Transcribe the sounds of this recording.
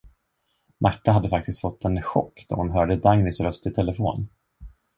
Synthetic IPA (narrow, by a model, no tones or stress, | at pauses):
mʔaʈːaɦad̪ːəfak̚t̪ɪst̪fɔt̪ʰːɛnɧɔ̰kːd̪̥ɔ̰hʊnɦœːɖəd̪aŋnɪsɾœst̪ɪt̪ʰɛləfoːn